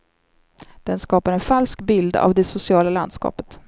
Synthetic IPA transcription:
d̪̥ɛnskɑːpaɾɛnfalskbɪld̪a̰vd̪ɛsʊsɪɑːlaland̪skɑ̰ːpə̥t̪

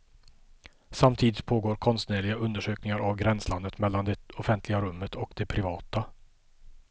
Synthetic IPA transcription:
samt̪ʰiːd̪ɪt̪pʰoːɡoːɾkʰɔnst̪neːɭɪɡaʔɵnd̪əʂøːknɪŋaɾavɡɾɛnsland̪ət̪mɛlːand̪ɛɔfɛnt̪lɪɡaɾɵmːət̪ʰɔkd̪ɛpʰɾɪvɑːt̪a

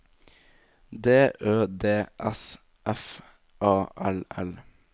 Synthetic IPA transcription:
d̪eːʔøːd̪eːʔɛs | ʔɛf | ʔɑːʔɛlɛl

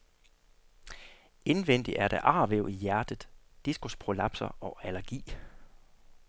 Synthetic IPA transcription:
e̝nʋen̰d̥iʔæɐɾ̥æʔɑ̈ːʋeʊijæɐd̥əð̩ˠd̥isɡ̥ospʰʁo̝lɑ̈b̥sɐɒælɐɡ̥ḭː

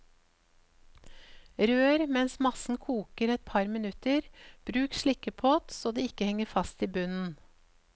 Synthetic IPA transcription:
ɾøːɾmɛnsmɑsn̩kʰuːkəɾɛt̪̚pʰɑɾmɪnʉt̪əɾb̥ɾʉːkʃɭɪkəpʰoːt̪soːd̪iːɪkəhɛŋəfɑst̪iːbʉnn̩

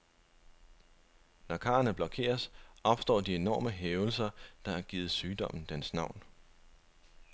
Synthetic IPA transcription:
nɒkʰɑ̰̈ːɐnəb̥lɒ̽kʰe̝̰ːɐsʔɒ̽b̥sd̥ɒ̰ːd̥ie̝nɒ̰ːməɦeːʊl̩sɐd̥ɑ̈æɐɡ̥iːð̩ˠsyːd̥ɒ̽m̰n̩d̥ensnɑ̈ʊ̰n

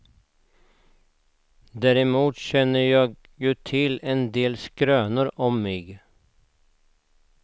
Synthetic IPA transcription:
d̪æɾɪmuːt̪ɕɛnːəɾjɑːɡ | jʉːt̪ʰɪlɛnd̪eːlskɾøːnəɾɔmːeːɡ

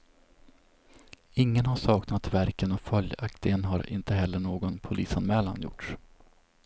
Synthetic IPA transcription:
ɪŋːənhaʂɑːknat̪væɾkənɔfœljakt̪ɪɡənɦaɾɪ̰nt̪əɦɛlːəɳoːɡɔnpʰʊliːsanmɛːla̰njʊ̰ʈʂ

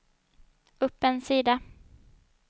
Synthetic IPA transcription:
ɵpːɛnsiːd̪a

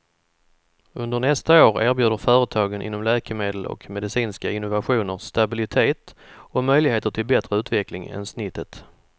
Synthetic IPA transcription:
ɵnd̪əɾɳɛst̪aoːɾæːɾbjʉːd̪əɾfœːɾət̪ʰɑːɡənʔɪ̰nːɔmlɛːkəmeːd̪əlɔ̰kmɛd̪ɪsiːnskaɪnːʊvaɧuːnəɾst̪abɪlɪt̪ʰeːt̪ɔmœjlɪɡɦeːt̪əʈʰɪlbɛt̪ɾəʉ̟ːt̪vɛklɪŋɛ̰nsnɪt̪ːət̪

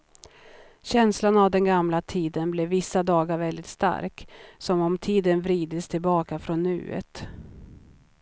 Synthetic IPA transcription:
ɕɛnslanavd̪ɛnɡamlat̪ʰiːd̪ənblɛːɪsːad̪ɑːɡaɾvɛld̪ɪt̪st̪a̰ɾksɔmɔmt̪ʰiːd̪ənvɾiːd̪əst̪ʰɪlbɑːkafɾɔnːʉ̟̰ːə̰t̪

